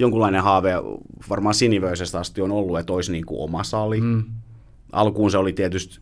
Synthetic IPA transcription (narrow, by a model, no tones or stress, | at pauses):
joŋkulːˑɑinehɑːʋeʋɑrmɑːsiniʋøisest̪ɑst̪ionolːuet̪oisniːŋkṵʔo̰mɑsɑli | ʔɑ̰lkuːnseolit̪iet̪yst̪